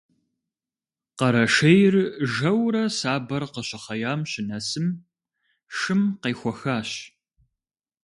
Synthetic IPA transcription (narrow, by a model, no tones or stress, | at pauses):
qɐɾɐʃɐjɪrʒɐwɾɐsaːbɐrqəɕɪχɐjaːmɕɪnɐsɨm | ʂɨmqeːxʷɔxaːɕ